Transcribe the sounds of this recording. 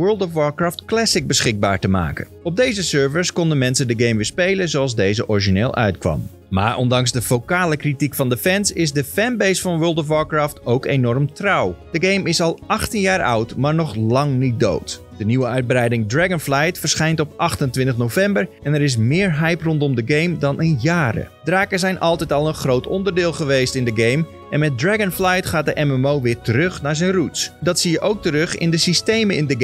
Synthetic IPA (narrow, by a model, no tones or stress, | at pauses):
ʋøːlˠtɔfwɔɹkraːftklɛsɪk̚bəsχɪɡ̚ba̰ːɹtəma̰ːkə̰nɔb̚dejzəsøɹfəskɔndənmɛnsəndəɡejmʋɪːspejlənzowɑlˠzdejzəʔɔɹiʒineːlˠʔœ̰ɥtkʋɑ̰m | ma̰ːɹʔɔ̰ndɑŋsdəfowkaːləkritikfɑndəfɛnsɪsdəfɛnbejsfɑnʋɜːlˠtɔf̬wɔɹkraːftowkenɔrmtrɑwd̥əɡejmɪsɑlˠɑxtənjaːɹɑ̰wtmaːɹnɔχlɑŋnit̚do̰wt | d̥əniʋəœɥd̚brɛjdɪŋdraɡənflajtfəɹsχɛjntɔpʔɑxtəntʋɪntəχnowfɛmbərʔɛnɛɾɪs̬mɪːɹɦɛjprɔntɔmdəɡejmdɑnʔənjaːɾə̰d̥raːkəsɛjnʔɑlˠtɛtɑlˠənχrowtʰɔ̰ndərdɪːlˠχəʋejstɪndəɡejm | ʔɛnmɛt̚draɡənflajtχaːt̚dəʔɛmɛmowʋɪːɹtəɾɵxnaːɹzɛjnrutsdɑtsiːjəʔowk̚təɾɵχɪ̰ndəsistejməɪndəɡ